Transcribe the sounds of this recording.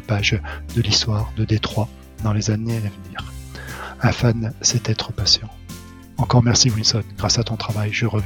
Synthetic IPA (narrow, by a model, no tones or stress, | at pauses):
paʒd̪əlist̪waʁd̪əd̪et̪χwa | d̪ɑ̃lezaneavniːʁ | ɛ̃fansɛt̪ɛt̪χəpasjɑ̃ | ɑ̃kɔʁmɛʁsiwilsɔnɡʁasat̪ɔ̃t̪χavajʒəʁəv